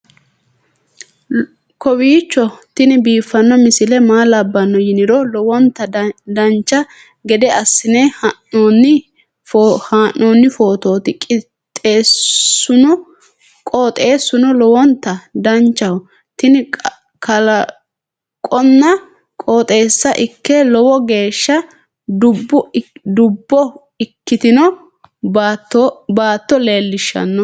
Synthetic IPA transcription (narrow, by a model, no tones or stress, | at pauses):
kɔwiːt͡ʃːɔt̪ɪnɪbiːfːɐnːɔmɪsɪlɛmaːlɐbːɐnːɔjɪnɪɾɔlɔwɔnt̪ːɐd̪ɐnt͡ʃːɐ | ɡɛd̪ɛɐsːɪneːhɐnːoːnːɪ | fhaːʔːo̞ːnːɪfo̞ːt̪o̞ːt̪ɪkʼɪ | t̪ʼːeːsʊnɔ | kʼoːt̪ʼe̞ːsːʊnɔlɔwɔnt̪ːɐd̪ɐnt͡ʃːɐwɔ | t̪ɪnɪ | kɐlɐ | kʼɔnːɐ | kʼoːt̪ʼe̞ːsːɐʔɪkːɛlɔwɔɡe̞ːʃːɐ | d̪ʊbːʊd̪ʊbːɔ | ɪkːɪt̪ɪnɔ | bat̪ːɔbaːt̪ːɔle̞ːlːɪʃːɐ̰nːɔ